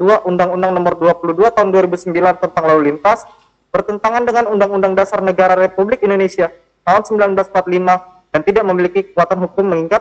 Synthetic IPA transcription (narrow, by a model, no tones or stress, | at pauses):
duaʔundaŋundaŋnɔmərduapuluduat̪aɦʊnduaɾibusəmbilant̪ənt̪aŋlaulint̪as | b̥ərt̪ənt̪aŋandəŋanundaŋundaŋdasarnəɡaɾaɾepublɪkindonesia | t̪aɦʊnsəmbilanblasmpat̪lima | d̥ant̪idaʔməmilikikə̥kuat̪anɦukʊmːəŋiŋat̪̚